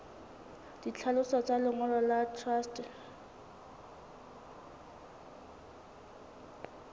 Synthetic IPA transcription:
d̥it͡ɬʰalʊsɔt͡sʼalʊŋɔlɔlatʰrast

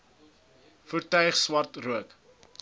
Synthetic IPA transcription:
fərtœɥχswɐrtruək

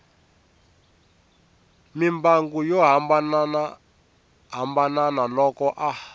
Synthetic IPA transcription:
mimbaŋɡujɔɦambann | ɦambananalɔkɔʔa

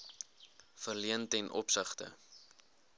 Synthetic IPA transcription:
fərliəntɛnʔɔ̰psəχtə̰

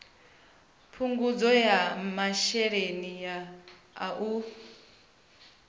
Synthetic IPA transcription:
pʰuŋɡud͡zɔjamaʃɛɺenijaː | ʔu

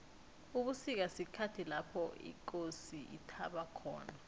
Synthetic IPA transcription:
uɓusik̬asikʰatʰilapʰɔḭk̬ʼosiʔḭtʰaɓakʰɔ̰ːna

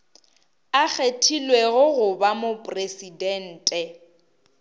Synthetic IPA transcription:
ak͡xʰetʰilweɣʊɣʊbamopʼresidɛn̩ːtʼɛ

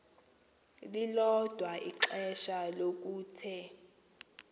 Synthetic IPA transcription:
lilɔd̥ʱwaʔiǁɛʃalok̬ʼuːtʰɛ

